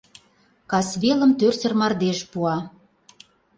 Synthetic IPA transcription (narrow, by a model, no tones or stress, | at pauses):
kɑsβelə̆mt̪ørsə̆rmɑrd̪eʃpuɑ